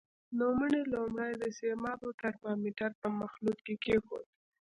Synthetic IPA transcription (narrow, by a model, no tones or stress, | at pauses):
noməɳelomɽajd̪əsemɑboʈaɾmɑmiʈaɾpəmaxlut̪kekexo̰t̪̚